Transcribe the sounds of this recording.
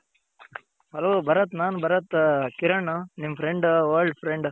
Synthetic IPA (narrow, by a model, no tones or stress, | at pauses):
ɦɐloːbɐɾɐt̪naːnbɐɾɐt̪kiɾɐɳnimpʰɾeɳɖʋɐːlɖpʰɾeɳɖ